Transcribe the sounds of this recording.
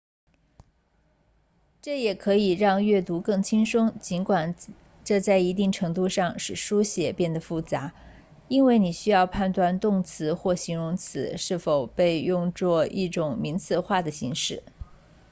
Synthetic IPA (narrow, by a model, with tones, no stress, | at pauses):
ʈ͡ʂɤ˥˩jɛ˨˩kʰɤ˧˥i˨˩ɻɑ˥˧ŋɥɛ˥˩t̪u˧˥kɤ˥˩ŋt͡ɕʰi˥ŋʂʊ˥ŋt͡ɕi˧˥nkwa˨˩n | ʈ͡ʂɤ˥˧t͡sa˥˩ɪi˧˥t̪i˥˩ŋʈ͡ʂʰɤ˧˥ŋt̪̬u˥˧ʂɑ˥˧ŋʂɻ̩˨˩ʂu˥ɕjɛ˨˩pjɛ˥˩nd̪ə˩fu˥˩t͡sa˧˥ | i˥nwe˥˩ɪni˨˩ɕy˥jɑ˥˧ʊpʰa˥˧nt̪wa˥˧nt̪ʊ˥˩ŋt͡sʰɹ̩˧˥xwɔ˥˩ɕi˧˥ŋɻʊ˧˥ŋt͡sʰɹ̩˧˥ʂɻ̩˥˩fo˨˩ʊpe˥˧ɪjʊ˥˧ŋt͡swɔ˥˧ḭ˥˩ʈ͡ʂʊ˨˩ŋmi˧˥ŋt͡sʰɹ̩˥˧xwa˥˩d̪ə˩ɕi˧˥ŋʂɻ̩˥˩